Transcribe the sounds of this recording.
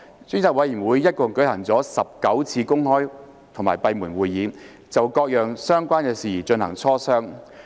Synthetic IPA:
t͡sy˥ŋt͡saː˨k̚wɐ˨˧jiː˨˩nwuː˨˧jːɐ˥t̚kɔ˨ŋkɵ˨˥ɥhɐ˨˩ŋt͡sɔː˨˥sɐ˨p̚kɐ˨˥wt͡sʰiː˧kʊ˥ŋhɔː˥j | t̪ʰʊ˨˩ŋmaː˨˩jpɐ˧jmuː˨˩nwuː˨jːiː˨˥ | t͡sɐ˨wkɔː˧k̚jœː˨ŋsœː˥ŋkʷaː˥nkɛː˧siː˨˩t͡ʃɵ˧nhɐ˨˩ŋt͡sʰɔː˥sœː˥ŋ

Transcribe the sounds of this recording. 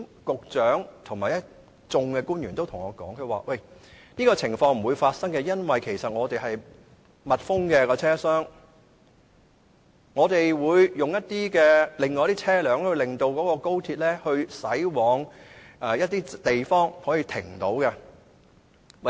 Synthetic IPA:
kʊ˨k̚t͡ʃœː˨˥ŋt̪ʰʊ˨˩ŋmaː˨˩jɐ˥ | t͡sʊ˧ŋkɛ˧kuː˥njyː˨˩nt̪o˥wt̪ʰʊ˨˩ŋɔː˨˧kɔ̰ː˨˥ŋkʰɵ˧ɥwaː˨˧wɐ˥˨˩j | niː˥kɔː˧t͡sʰɪ˨˩ŋfɔː˧ŋm̩˨˩wuː˨˧jfaː˧t̚sɐ˥ŋkɛ˧jɐ˥nwɐ˨jkʰe˨˩jsɐ˨t̚ŋɔː˨˧t̪e˨jhɐ˨j | mɐ˨t̚fʊ˥ŋkɛ˧kɔː˧t͡sʰɛː˥sœː˥ŋ | ŋɔː˨˧t̪e˨jwuː˨˧jjʊ˨ŋjɐ˥t̚t̪iː˥kɛː˧lɪ˨˩ŋːɔː˨jt̪iː˥t͡sʰɛː˥lœː˨˥ŋhɵ˧ɥlɪ˨ŋt̪o˧wkɔː˨˥kɔː˧ko˥wt̪ʰiː˧t̚lɛː˥hɵ˧ɥsɐ˨˥jwɔː˨˧˥ŋʔɛː˨jɐ˥t̚t̪iː˥t̪e˨jfɔː˥ŋhɔː˨˥jiː˧t̪ʰɪ˨˩ŋt̪o˨˥wkɛ˧ | wɐ˨

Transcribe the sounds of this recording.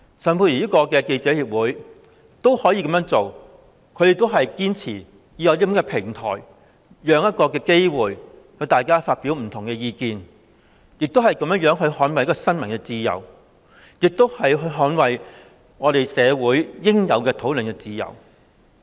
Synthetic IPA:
sɐː˨˩mpʰu˧ji˨iː˥kɔː˧kɛː˧ke˧jt͡sɛː˨˥hiː˧p̚wuː˨˥j | t̪o˥whɔː˨˥ji˧kɐ˨˧mjœː˧˥ŋt͡so˨w | kʰɵ˨˧ɥjɪ˨k̚t̪o˥wɦɐ˨jkiː˥nt͡sʰiː˨˩ | jiː˨˧jɐ˨˧wli˥˨˥kɛ˧pʰɪ˨˩ŋt̪ʰɔ̰ː˨˩j | jœː˨˧ŋjɐ˥t̚kɔː˧kɛː˧ke˥jwuː˨j | jɐ˧wt̪aː˨jkaː˥faː˧t̚piː˨˥wm̩˨˩t̪ʰʊ˨˩ŋkɛː˧jiː˧kiː˨˧n | jɪ˨k̚t̪o˥wɦɐ˨jkɐ˧mjœ˥ŋjœː˨˥ŋɦɵ˧ɥhɔː˨˥nwɐ˨˩jɐ˥kːɔ˧sɐ˥nmɐ˨˩nkɛː˧t͡siː˧jɐ̰˨˩w | jɪ˨k̚t̪o˥whɐ˨jɦɵ˧ɥɦɔː˨˥nwɐ˨˩j | ŋɔː˨˧ɾe˨jsɛː˨˧wuː˨˥jːɪ˥ŋjɐ˨˧wkɛː˧t̪ʰo˨˥wlɵ˨nkɛ˧t͡siː˧jɐ̰˨˩w

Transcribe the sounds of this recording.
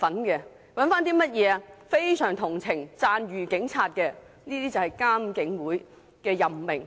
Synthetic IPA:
fɐ˨˥nkɛː˧ | wɐ˨˥nfaː˥nt̪iː˥mɐ˥t̚jɛː˨˧ɐ˧fe˥jsœː˨˩ŋt̪ʰʊ˨˩ŋt͡sʰɪ˨˩ŋt͡saː˧nɥyː˨˩kɪ˨˥ŋt͡sʰaː˧t̚kɛː˧ | niː˥t̪iː˥t͡sɐ˨˩whɐ˨jkaː˥m˧kɪ˨˥ŋwuː˨˥j | kɛː˧jɐ˨mmɪ˨˩ŋ

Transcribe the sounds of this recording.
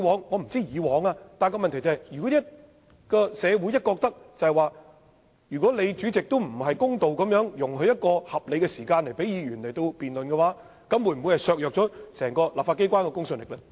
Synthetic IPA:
wɔː˨˧ŋŋɔː˨˧m̩˨˩t͡siː˥jiː˨˧wɔː˨˥ŋaː˧t̪aː˨nkɔː˧mɐ˨nt̪ʰjt͡sɐ˨hjjyː˨˩kɔ˨˥i˥t̚ | kɔː˧sɛː˨˧wu˨˥jɐ˥t̚kɔː˧k̚t̪ɐ˥k̚t͡sɐ˨˩hɐ˨jwaː˨˧ | jyː˨˩kʷwɔː˨˥le˨˧jt͡ʃyː˨˥t͡sɪ˨k̚t̪o˥wm̩˨˩hɐ˨jkʊ˥ŋt̪o˨wkɐ˨˧mjœː˨˥ŋjʊ˨˩ŋhɵ˧jɐ˥t̚kɔː˧hɐ˨p̚le˨˧jkɛ˧siː˨˩kaː˧nle˨˩jpe˨˥jiː˨˧ɥyː˨˩nle˨˩jt̪o˧wpiː˨nlɵ˨nkɛ˧waː˨˦˥ | kɐ˨˥mwu˨˧˩m̩˨u˨˧jhɐ˨jsœː˨˧k̚jœː˨k̚t͡ʃɔː˨˥sɛː˨˩ŋkɔː˧laː˨pfa˧˥ke˥jkʷaː˥nkɛː˧kʊ˥ŋsɵ˨˧nlɪ˨klɛ˧

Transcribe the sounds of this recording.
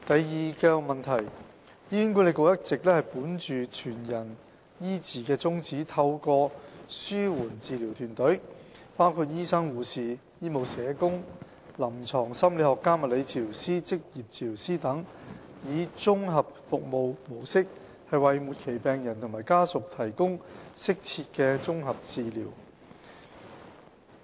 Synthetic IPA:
t̪ɐ˨jːiː˨kɛː˧mɐ˨nt̪ʰɐ˨˩j | ji˥nŋku˧˥le˨˧kʊ˨wjɐ˥t̚t͡sɪ˨k̚lɛː˥hɐ˨jpuː˨˥nt͡ʃyː˨t͡ʃʰyː˨˩njɐ˨˩n | jiː˥t͡siː˨˩kɛː˧t͡sʊ˥ŋt͡siː˨˥t̪ʰɐ˧wkɔː˧syː˥wuː˨˩nt͡siː˨˧liː˨˩wt̪ʰyː˨˩nt̪ɵ˨˥ɥpaː˥wkʰuː˧t̚jiː˥sɐ˥ŋwuː˨siː˨ | jiː˥mo˨˧wsɛː˨˧kʊ˥ŋ | lɐ˨˩mt͡sʰɔː˨˩ŋsɐ˥mle˨˥hɔː˨kːaː˥mɐ˨t̚le˨˧jt͡siː˨˧liː˨˩wsiː˥t͡sɪ˥k̚jiː˨p̚t͡siː˧˨˩li˨˩wsiː˥t̪ɐ˨˥ŋ | jiː˨˧t͡sʊ˥ŋɦɐ˨p̚fʊ˨k̚mo˨˧wmo˨˩wsɪ˥k̚ | hɐ˨jwɐ˨jmuː˨t̚kʰe˨˩jpɛː˨ŋjɐ˨˩nt̪ʰʊ˨˩ŋmaː˨˩jkaː˥sʊ˨k̚t̪ʰɐ˨˩jkʊ˥ŋsɪ˥k̚t͡sʰiː˧t̚kɛː˧t͡sʊ˥ŋɦɐ˨p̚t͡siː˨˧lḭː˨˩w

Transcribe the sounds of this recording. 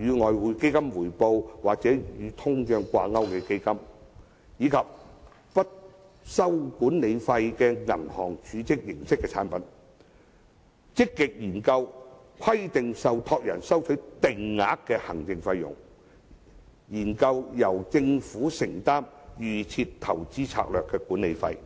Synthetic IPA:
jyː˨˧ŋɔː˨jwuː˨˧jke˥jkɐ˥mwuː˨˩jpo˧wwaː˨k̚t͡sɛː˨˥jyː˨˧t̪ʰʊ˥ŋt͡ʃœː˧ŋkʷa̰ː˧ŋɐ˥wkɛ˧ke˥jkɐ˥m | jiː˨˧kʰɐ˨p̚ | pɐ˥t̚ | sɐ˥wkuː˨˥nle˨˧jfɐ˧jkɛː˧ŋɐ̰˨˩nhɔ̰ː˨˩ŋt͡ʃyː˨˧˥t͡sɪ˥k̚jɪ˨˩ŋsɪ˥kːɛː˧t͡sʰaː˨˥npɐ˨˥n | t͡sɪ˥kːɪ˨k̚jiː˨˩nkɐ˧w | kʷʰɐ˥jt̪ɪ˨ŋsɐ˨wt̪ʰɔː˧k̚jɐ̰˨˩nsɐ˥wt͡ʃʰɵ˨˥ɥt̪ɪ˨˩ŋːaː˨˥kːɛː˧hɐ˨˩ŋt͡sɪ˧ŋfɐ˧jːʊ̰˨˩ŋ | jiː˨˩nkɐ˧wjɐ˨˩wt͡sɪ˧ŋfuː˨˥sɪ˨˩ŋt̪aː˥mɥyː˨˩t͡sʰi˧tt̪ʰɐ˨˩wt͡siː˥t͡sʰa̰ː˧k̚lœː˨kːɛː˧kuː˨˥ne˨˧jfɐ̰˧j

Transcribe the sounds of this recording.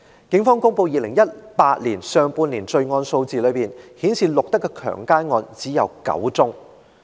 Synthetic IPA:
kɪ˨˥ŋfɔː˥ŋkʊ˥ŋpo˧wjiː˨˧lɪ˨˩ŋjɐ˥t̚paː˧t̚liː˨˩nsœː˧ŋpuː˧nliː˨˩nt͡sɵ˧ɥŋɔː˧nso˧wt͡siː˨lɵ˨˧ɥpiː˨nhiː˨˥nsiː˨lʊ˨k̚t̪ɐ˥kːɛ˧kʰœ̰ː˨˩ŋkaː˥jŋɔː˧nt͡siː˨˥jɐ˨wkɐ̰˨˥wt͡sʊ˥ŋ

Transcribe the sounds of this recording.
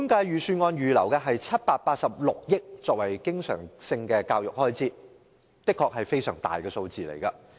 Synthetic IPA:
u˥mkaː˧jɥyː˨syː˧nŋɔː˧njyː˨lɐ˨˩wkɛ˧ɦɐ˨jt͡sʰɐ˥t̚paː˧t̚paː˧t̚sɐ˨p̚lʊ˨k̚jɪ˥k̚t͡sɔː˧k̚wɐ˨˩jkɪ˥ŋsœ̰ː˨˩ŋsɪ˧ŋkɛː˧kaː˧wjʊ˨k̚hɔː˥jt͡siː˥ | t̪ɪ˥kʰːɔː˨k̚hɐ˨jfe˥jsœ̰ː˨˩ŋt̪a̰ː˨˩jkɛː˧so˧wt͡siː˨lḛ˨˩jkɐ˧

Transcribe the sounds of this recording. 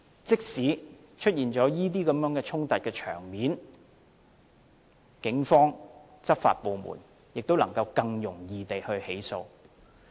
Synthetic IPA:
t͡sɪ˥k̚siː˨˥ | t͡ʃʰɵ˥t̚jiː˨nt͡ʃɔː˨˥jiː˥t̪̬iː˥kɐ˨˥mjœː˨˥ŋkɛː˧t͡ʃʰʊ˥ŋt̪ɐ˨t̚kɛː˧t͡ʃʰœ̰ː˨˩ŋmiː˨˥n | kɪ˨˥ŋfɔː˥ŋ | t͡sɐ˥p̚fa̰ː˧t̚po˨˧wmṵː˨˩n | jɪ˨k̚t̪o˥wlɐ˨˩ŋkɐ˧wkɐ˧ŋjʊ˨˩ŋjiː˨˧t̪e˨jhɵ˧ɥhe˨˥jso̰˧w

